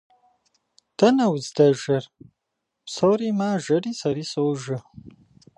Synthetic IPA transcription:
d̥ɐnɐwzdɐʒɐr | psowriːmaːʒɐriːsɐɾiːsowʒɨ

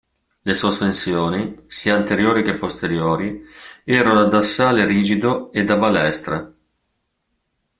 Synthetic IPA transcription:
lesospensjoːnisiːant̪eɾjoːɾik̟epːost̪eɾjoːɾiɛːɾonad̪asːaːleɾiːd͡ʒid̪oed̪abalɛst̪ɾe

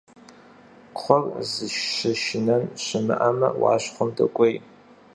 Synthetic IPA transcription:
χʷɔrzɨʃʃɨʃɪnɐnɕɨmɨ̰ʔɐmɐ̰wɑ̰ːɕχʷʊmdɐ̰kʷʼej

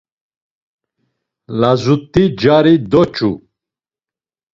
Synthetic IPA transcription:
lazut̪ʼːid͡ʒaɾid̪ɔt͡ʃʰʼu

